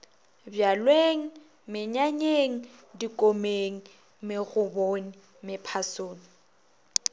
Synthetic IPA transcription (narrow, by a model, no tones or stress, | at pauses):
bjalweŋ̩ | mɪɲaɲeŋ̩dikʼomeŋ̩ | mɪɣʊbonɪ | mɪpʰasoːni